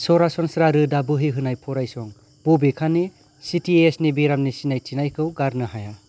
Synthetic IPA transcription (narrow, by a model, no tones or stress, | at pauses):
sɔɾasɔnsɾaɾɯdabɯɦiɦɯnajpʰɔɾajsɔŋ | b̥ubikʰani | sitʰiesnibiɾamnisinajt͡ʃinajkʰɯwɡaɾnɯɦaja